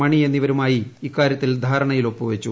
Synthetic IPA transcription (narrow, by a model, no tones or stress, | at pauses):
mɐɳie̞nːiʋɐɾumaːjiːkːaːɾjɐt̪ːild̪ʱaːɾɐɳɐjilo̞pːuʋet͡ɕːu